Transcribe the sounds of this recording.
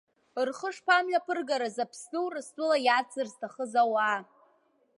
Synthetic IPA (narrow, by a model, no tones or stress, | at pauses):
rχəʂpʰamlapʰɨrɡaɾazapʰsnɨwrɨstʼʊlajat͡sɨrztʰaχəzawaː